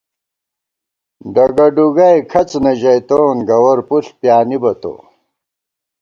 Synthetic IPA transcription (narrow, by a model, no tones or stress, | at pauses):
ɖɐɡɐɖuɡɐjkʰɐt͡snɐʑɐjt̪oːnɡɐwɐɾpuɬpjaːnibɐt̪o̰ː